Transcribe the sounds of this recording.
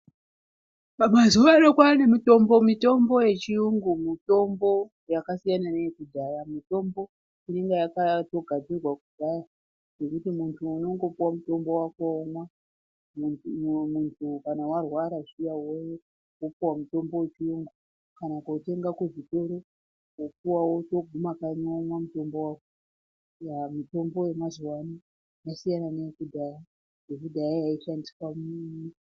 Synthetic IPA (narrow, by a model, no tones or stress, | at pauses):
pamazuʋainokwane̞mito̞mbo̞mito̞mbo̞je̞t͡ʃijuŋɡumito̞mbo̞ | jakasijananeekudʱajamito̞mbo̞ | ineŋɡejakato̞ɡʱad͡zirwakud̥ʱaja | ne̞kutimuntʰuːno̞ŋɡo̞puwamuto̞mbo̞wakoːmwa | muntʰukanawarwaɾaʐijawojo | opuwamuto̞mbo̞wet͡ʃiuŋɡu | kanakote̞ŋɡakeʐito̞ɾo | opuwawo̞to̞ɡʱumakaɲamwamuto̞mbo̞wako | jamito̞mbo̞je̞mazuwani | jasijananekudʱaja | nekudʱajajaiʃandiswamni